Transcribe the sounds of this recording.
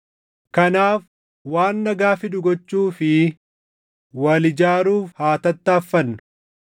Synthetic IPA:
kɐnaːf | waːnːɐɡaːfɪᶑ̪ʊɡɔt͡ʃːuːfɪ | wɐlɪd͡ʒaːɾuːfhaːt̪ɐt̪ːɐːfːɐnːɐ̥

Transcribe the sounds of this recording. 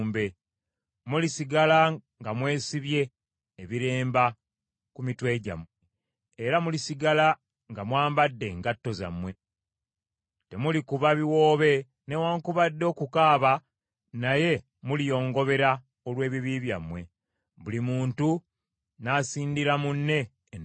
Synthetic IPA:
mbe̞ | mulisiɡalaŋɡamwe̞ːsiβje̞ː | βiɾe̞ːmba | kumitwe̞ːɟa̰me | eɾamulisiɡala | ŋɡamwaːmbadːe̞ːŋɡatːo̞za̰mwe̞ | te̞mulikuβaβiwo̞ːβe̞ | newaːŋkuβadːo̞ːkukaːβa | naje̞ | mulijo̞ːŋɡo̞βe̞ɾa | olwe̞ːβiβiβja̰mwe̞ | βulimuːntu | naːsiːndiɾamunːe̞

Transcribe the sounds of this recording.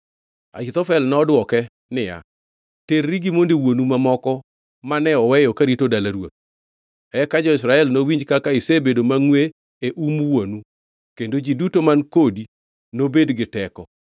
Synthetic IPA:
a̰kɪt̪ɔfɛlnɔdwɔkɛ | nɪja̰ | terːiɡɪmondewonumamɔkɔ | manɛɔwɛjɔkaɾitodalaɾwo̰t̪̚ | ɛkad͡ʒɔɪs̬ɾaɛlnowiɲd͡ʒkakaɪsebedomaŋwe | eʔumuwonu | kendod͡ʒidutomankodi | nobedɡɪtɛkɔ

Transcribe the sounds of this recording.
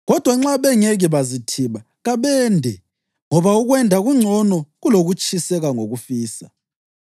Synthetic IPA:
ɣɔd̥ʱwaŋ͡ǁaβɛŋeɣiβazitʰiβa | ɣaβɛndʱɛ | ŋɔβauɣwɛndʱaɣuŋ͡ǀʱɔnɔɣuloɣut͡ʃʼisɛɣaŋoɣufiːsa̰

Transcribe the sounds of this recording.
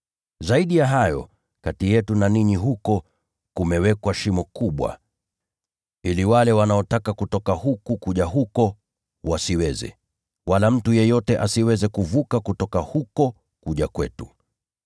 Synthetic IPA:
zaiɗijaɦajɔ̰ | katijɛtunaniɲiɦukɔ | kumɛwɛkwaʃimɔkuɓwa̰ | iliwalɛwanaɔtakakutɔkahukukuʄaɦukɔ | wasiwɛzɛ̰ | walam̩tujɛjɔtɛʔasiwɛzɛkuvukakutɔkahukɔ | kuʄakwɛtu

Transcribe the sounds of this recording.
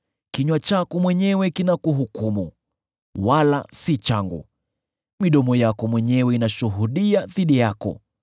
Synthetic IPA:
kiɲwat͡ʃakɔmwɛɲɛwɛkinakuɦukumu | wala̰sit͡ʃaŋɡṵ | miɗɔmɔjakɔmwɛɲɛwɛinaʃuɦuɗiaðiɗijakɔ̰

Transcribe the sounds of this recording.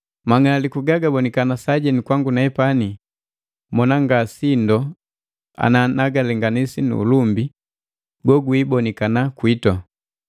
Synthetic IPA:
maŋaalikuɡaɡabɔnikanasaɟɛnikwaŋɡunaɛpani | mɔnaŋɡasindɔ | a̰nanaɡalɛŋɡanisinṵːlumbi | ɡɔɡuibɔnikanakwitɔ

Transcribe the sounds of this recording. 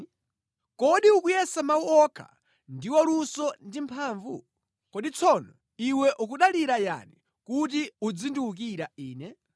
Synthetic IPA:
kɔɗiukujɛsamauɔkʰa̰ | ndiwɔlusɔndimpʰaːɱvu | kɔɗit͡sʰɔnɔ | iwɛʔukuɗaliɾaja̰ni | kutiud͡zinduuk̬iɾaiːnɛ

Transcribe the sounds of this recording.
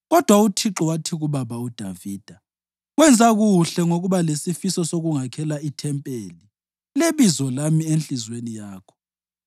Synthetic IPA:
ɣɔd̥ʱwautʰiǁɔwatʰiɣuβaβaud̥ʱa̰viːd̥ʱa | ɣwɛnd͡zʱaɣuɬɛŋoɣuβalesifisɔsoɣuŋakʰɛlaitʰɛmpʼeli | leβizɔlamient͡ɬizwenijaːkʰɔ̥

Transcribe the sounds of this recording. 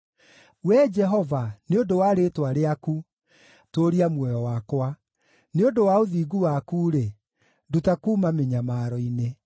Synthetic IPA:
wɛd͡ʒɛɦɔvaneodowaɾetwaɾeaku | toːɾiamwɛjɔwakwa | neodowaoðiːɡuwakuːɾe | dutakuːmameɲamaɾɔine

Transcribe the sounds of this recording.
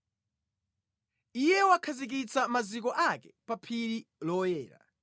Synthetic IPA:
ijɛwakʰazik̬it͡samazikɔʔakɛpapʰiɾilɔjɛːɾa̰

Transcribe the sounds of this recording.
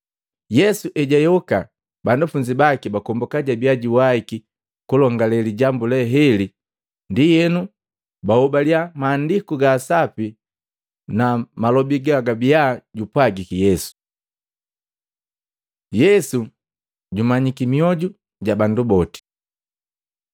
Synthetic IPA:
jɛsuʔɛɟajɔka | bandufuɲd͡ʒibakibakɔmbɔkaɟabiaɟiwaiki | kulɔŋɡalɛliɟambulɛɦɛli | ndijɛnu | bahɔbaliamaːndikuɡaːsapi | namalɔbiɡaɡabiaːɟupwaɡikijɛsu̥ | jɛsu | ɟumaɲikimiɔɟu | ɟabandubɔti̥

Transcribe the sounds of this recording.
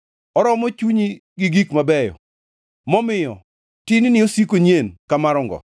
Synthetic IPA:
ɔɾɔmɔt͡ʃuɲiɡɪɡikmabɛjɔ̰ | mɔmɪjɔ̰ | tɪnɪnɪosikoɲenkamaɾɔŋɡɔ̰

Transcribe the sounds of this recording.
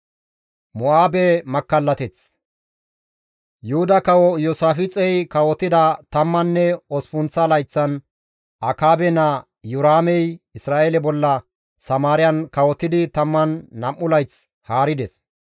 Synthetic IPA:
mʊaːbɛmɐkːɐlːɐt̪ɛt͡s | jʊhʊd̪ɐkɐwɔjɔsaːfɪt͡sʼɛjkɐwɔt̪ːɪd̪ɐt̪ɐmːɐnːɛɔspʊnt͡sːɐlɐjt͡sːɐn | ʔɐkaːbɛnɐ | jʊɾaːmɛjɪsɾaːʔelɛbɔlːɐ | sɐmaːɾɪjɐnkɐwɔt̪ːɪd̪ɪt̪ɐmːɐnːɐmːʊlɐjt͡s | haːɾɪd̪ɛs

